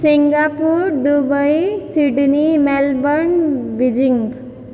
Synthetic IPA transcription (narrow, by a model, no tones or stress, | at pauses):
siŋɡapuɾdubʌjsiɖnimɛlbʌnbid͡ʒiŋɡ